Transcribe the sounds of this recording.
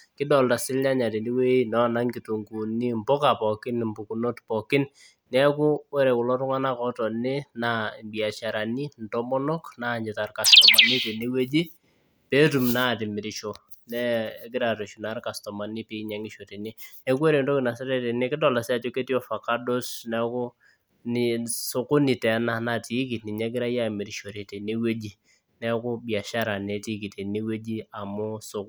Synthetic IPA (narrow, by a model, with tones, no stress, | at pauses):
kɪ˦dɔ˨lta˨sɪ˦lɲa˦ɲa˨te˨ni˦we˦nɔ˦˨na˦ŋɡɪ˨tu˨ŋɡu˨ni˦mbɔ˦ka˨pɔ˨kɪ˦nmbu˨ku˨no˦tpɔ˨kɪ˦n | nɛ˦ku˦wɛ˦ɾe˨kʊ˨lɔ˦tʊ˦ŋa˦na˦kɔ˦tɔ˨nɪ˦na˨bi˨a˨t͡ʃa˨ɾa˨ni˦ntɔ˦mɔ˦nɔ˦kna˦˨ɲɪ˨ta˨rka˨stɔ˨ma˨ni˦te˨ni˦we˦d͡ʒi˦ | pe˦tu˨mna˦tɪ˨mɪ˨ɾɪ˦ʃo˨ | nɛ˦ɡɪ˦ɾa˨ɾe˨ʃu˨na˦rka˨stɔ˨ma˨nɪ˦pi˦ɲa˦ŋɪ˦ʃo˨te˨nɪ˦ne˦k̬we˦ɾe˨ndo˦kɪ˨na˨sa˦ɾe˦te˨ne˦kɪ˦tɔ˨la˨sɛ˦a˦˨t͡ʃo˦ke˦tjɔ˦fa˨ka˦do˦snɛ˦kʊ˦ | nɪ˨so˨kʊ˦ni˨tɛ˨˦na˦na˦˨ti˨˦ki˨tnɪ˨ɲɛ˦ɡɪ˦ɾa˦ja˦˨mɪ˨ɾɪ˦ʃo˨ɾe˨te˨ne˦we˦d͡ʒi˦ | nɛ˦kʊ˦bja˨ʃa˦ɾa˨ne˨ti˦ki˨te˨ni˦we˦d͡ʒi˦a˨mʊ˦so˨k